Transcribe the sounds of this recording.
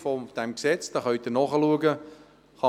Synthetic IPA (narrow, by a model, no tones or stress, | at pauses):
fɔd̪̥ɛmksɛt͡sd̥ɑχœʏt̪ənɔχəluəɡə | χɑ